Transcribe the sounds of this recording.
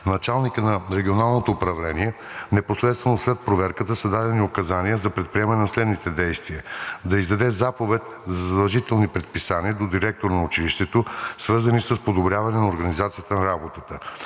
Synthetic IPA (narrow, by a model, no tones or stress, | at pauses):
nɐt͡ʃalˠnikənɐɾɛɡʲionalˠnot̪oːpɾɐvlɛniɛnɛposlɛt̪st̪vɛnoslɛt̪̚pɾovɛɾkət̪əsɐd̪ad̪ɛniokɐzanijəzɐpɾɛt̪̚pɾiɛmɐnɛnɐslɛd̪nit̪ɛd̪ɛjst̪viəd̪ɐizd̪ɐd̪ɛzapovɛt̪ | zɐzɐd̪ɐlˠʒit̪ɛlˠnipɾɛt̪̚pisaniəd̪od̪iɾɛk̚t̪oɾnɐʊt͡ʃiliʃt̪ɛt̪osvɤɾzɐnisəspod̪obɾʲjavɐnɛnɐoɾɡɐnizat̪sijət̪ənɐɾabot̪ət̪ə